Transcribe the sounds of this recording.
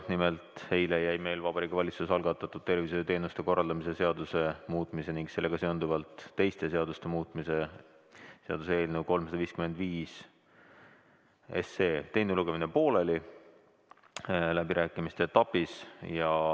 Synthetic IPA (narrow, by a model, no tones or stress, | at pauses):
nimelt̪ˑhe̞jlejæjme̞jlvɑb̥ɑɾikːɑvɑlʲit̪susɑlɡɑt̪ːˑɑt̪ːˑud̪̥̚t̪ːe̞rviset̪e̞ːnust̪e̞ko̞rːɑld̪ɑmise̞se̞ɑd̪use̞muːt̪ˑmise̞niŋɡse̞lːe̞ɡ̥ɑse̞o̞nd̪uvɑlt̪ːe̞jst̪e̞se̞ɑd̪ust̪e̞muːt̪ːˑmise | se̞ɑ̰d̪usee̞ːlnewko̞lmsɑd̪ɑviːskyme̞nd̪viːs | ḛse̞ːt̪e̞jnuluɡ̥e̞minepo̞ːleli | læbiɾʔæːkːˑimist̪et̪ɑpisjɑ